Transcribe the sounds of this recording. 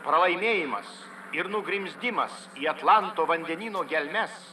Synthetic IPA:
pɾɐlˠɐɪmʲeːjɪmɐ̰s | ɪɾnʊɡɾʲɪmʲzʲd̪ʲɪmɐs | iːɐt̪lˠɑnt̪oːʋɐnʲd̪ʲɛnʲiːnoːɡʲɛlʲmʲɛs

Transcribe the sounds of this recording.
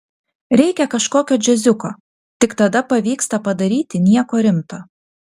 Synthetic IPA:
ɾʲɛɪkʲɛkɐʃkoːkʲoːd͡ʒʲɛzʲʊko̰ː | t̪ʲɪkt̪ɐd̪ɐpɐʋʲiːkst̪ɐpɐd̪ɐɾʲiːt̪ʲɪnʲiɛkoːɾʲɪmt̪oː

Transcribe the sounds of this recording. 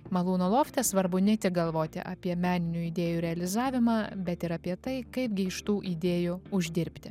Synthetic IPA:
mɐlˠuːnolˠoːfʲt̪ʲɛsʋɐɾbʊnʲɛt̪ʲɪɡɐlˠʋoːt̪ʲɪ̰ʔɑːpʲiɛmʲæːnʲɪnʲuːiːd̪ʲeːjuːɾʲɛɐlʲɪzɑːʋʲɪmɑːbʲɛt̪ɪɾɐpʲiɛt̪ɐɪkɐɪpɡʲɪɪʃt̪uːʔiːd̪ʲeːjuʊʒʲd̪ʲɪɾʲpʲt̪ʲɪ

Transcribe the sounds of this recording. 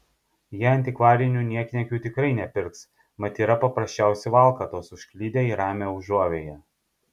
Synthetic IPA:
jiːɐnʲt̪ʲɪkʋɑːɾʲɪnʲuːnʲiɛkʲnʲɛkʲuːt̪ʲɪkɾɐɪnʲɛpʲɪɾk̪s | mɐt̪ʲiːɾɐpɐpɾɐsʲt͡ʃʲæˑʊsʲɛɪʋɑːˑlˠkɐt̪oːsʊʃʲkʲlʲiːd̪ʲeːiːɾɑːmʲeːʊʒuɔʋʲeːjɛ

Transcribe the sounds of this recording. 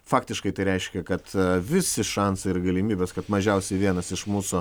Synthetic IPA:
fɑːkt̪ʲɪʃkɐɪt̪ɐɪɾʲɛɪʃʲkʲɛkɐt̪ʋʲɪsʲɪʃɑnsɐɪɪrɡɐlʲɪmʲiːbʲeːskɐt̪mɐʒʲɛʊsʲɛɪʋʲiɛnɐsɪʃmuːsʊ

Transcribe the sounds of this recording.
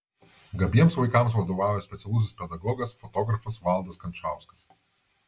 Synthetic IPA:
ɡɐbʲiɛmsʋɐɪkɐˑms̬ʋɐd̪oːʋɑˑːʋʲoːsʲpʲɛt̪sʲɛlˠʊs̬ʲɪspʲɛd̪ɐɡɔːɡɐsfɔt̪ɔɡɾɐfɐsʋɑˑlˠd̪ɐskɐnʲt͡ʃaˑʊskɐ̥s

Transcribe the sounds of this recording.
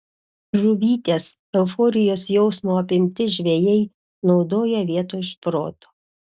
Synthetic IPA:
ʒʊʋʲiːt̪ʲeːs | ɛʊfɔːɾʲɪjoːsjɛʊsmoːɐpʲɪmʲt̪ʲɪʒʲʋʲejɛɪ | nɒʊd̪oːjɛʋʲiɛt̪oːɪʃpɾo̰ːt̪o̥ː

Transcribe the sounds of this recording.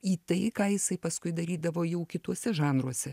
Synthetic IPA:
iːt̪ɐɪkɑːjɪsɐɪpɐskʊɪd̪ɐɾʲiːd̪ɐʋoːjɛʊkʲɪt̪uɔsʲɛʒɑːnɾuɔsʲɛ

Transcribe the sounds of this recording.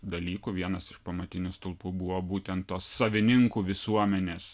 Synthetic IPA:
d̪ɐlʲiːkuʋʲiɛnɐsɪʃpɐmɐt̪ʲɪnʲʊst̪ʊlˠpuːbuʋoːbuːt̪ʲɛnt̪t̪oːsːɐʋʲɪnʲɪŋkuːʋʲɪsuɔmʲɛnʲeːs

